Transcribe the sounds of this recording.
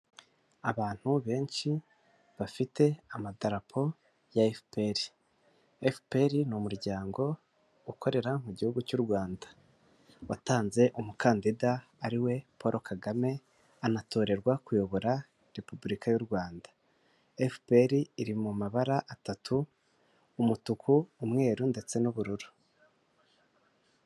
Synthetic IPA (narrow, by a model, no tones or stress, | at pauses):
aβaːn̥huβe̞ːnʃi | βafitʰe̞amadaɾapʰo̞ | jaefpeɾi | efpe̞ɾinumuɾɟaːŋɡo̞ | ukʰoɾe̞ɾamuɟihuɡucuɾɡwaːnda | wataːnze̞ʔumukaːndidaː | ɾiwe̞pʰo̞ɾʔo̞kaɡame̞ | anatʰo̞ːɾe̞ɾɡwakujo̞βo̞ɾa | ɾe̞pubuɾikajuɾɡwaːnda | efpe̞ɾiːɾimumaβaɾaʔatatʰuː | mutukʰuːmŋe̞ːɾunde̞t͡se̞nuβuɾuɾu̥